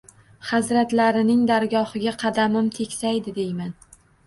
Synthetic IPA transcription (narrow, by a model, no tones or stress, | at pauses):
χazɾat̪laɾɪnɪŋd̪aɾɡɒhɪɡʲaqʰɑd̪amɪmt̪ʰe̞kʲsajd̪ɪd̪e̞jman